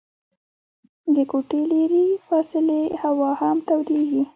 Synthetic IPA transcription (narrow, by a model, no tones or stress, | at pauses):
d̪əkoʈeleɾifɑsɪlehawɑhamt̪awd̪eɡi